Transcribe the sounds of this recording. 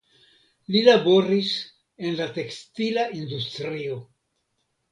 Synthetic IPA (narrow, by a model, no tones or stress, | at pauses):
lilabo̞ɾis | e̞nlate̞kst̪ilaʔind̪ust̪ɾio̞